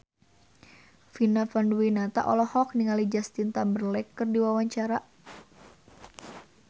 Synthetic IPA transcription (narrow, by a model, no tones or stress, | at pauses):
finafanduwinat̪a̰ʔɔlɔhɔk̚niŋalid͡ʒast̪int̪ambərlɛkːərdiwawaɲt͡ʃaɾa